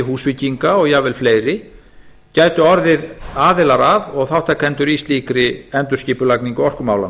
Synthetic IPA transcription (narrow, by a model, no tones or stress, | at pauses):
ɪɦuːsviciŋkaɔɣjaːvɪlfleːjɾɪ | caːjt̪ʏɔɾðɪðaːðɪlaɾaðɔɣθawht̪akʰɛnt̪ʏɾist̪liːkɾɪɛnt̪ʏ̥sciːpʏlakniŋkʏɔr̥kʏmaːwlan